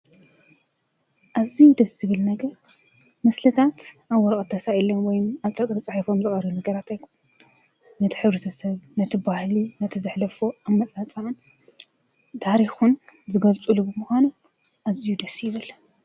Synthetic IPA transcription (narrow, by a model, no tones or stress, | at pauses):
ʔazijud̪ɐszɨβɨlnɐɡɐɾ | mɐslɐt̪ʰat̪ʔaβːɔɾɐkʼt̪ʰːɐsailːomwɔjumaβt̪ʼɐkʼɾɨt͡sʼaħifomzɨχʼɐɾɐβunɐɡɐɾat̪ajkʰu̥n | nɐt̪ʰi̥ħɨβɾɐt̪ʰɐsɐβnɐt̪ʰibahlinɐt̪ʰizɨħlɐfoamːɐt͡sʼat͡sʼan | t̪ʰaɾixunzɨɡɐlt͡sʼulubɨmuxʷanu | ʔazijud̪ɐsjɪβɨlːɐ